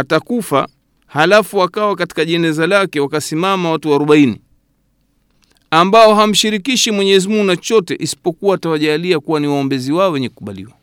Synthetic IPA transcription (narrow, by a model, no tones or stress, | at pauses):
atakufa̰ | halafuwakawakati̥kaʄɛnɛzalakɛwakasimamawatuwaːɾɔɓainḭ | ambaɔɦam̩ʃiɾikiʃimwɛɲɛzimuŋunat͡ʃɔtɛʔisi̥pɔkuwaːtawaʄaliakuwaniwaɔmbɛziwaɔwɛɲɛku̥kuɓalḭwa